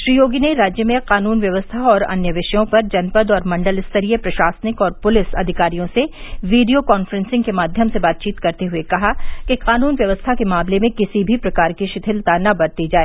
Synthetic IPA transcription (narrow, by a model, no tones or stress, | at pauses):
ʃɾiːjoːɡineɾaːd͡ʒjəmẽqaːnuːnʋjɐʋəst̪ʰaɔːɾɐ̰njəʋɪʃjõpɐɾd͡ʒɐnpəd̪ɔːɾmɐ̃ɳɖəlɪst̪ɐɾiepɾɐʃaːsənɪkɔːɾpʊlɪsɐ̰d̪ʱɪkaːɾijõseʋiːɖijokɔːnfɾɛ̃nsɪ̃ŋɡkemaːd̪ʱjəmsebaːt̪̚t͡ʃiːt̪kɐɾt̪eɦʊekɐɦakiqaːnuːnʋjɐʋəst̪ʰakemãːmlemẽkɪsibʱipɾɐkaːɾkiʃɪt̪ʰɪlt̪anɐbɐɾt̪id͡ʒaːeː